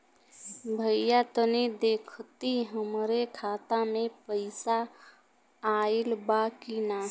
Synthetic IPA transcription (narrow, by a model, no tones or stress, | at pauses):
bʱəjat̪əned̪eːkʰt̪iɦəmɾekʰaːt̪amẽpəɪsaː | ilbakina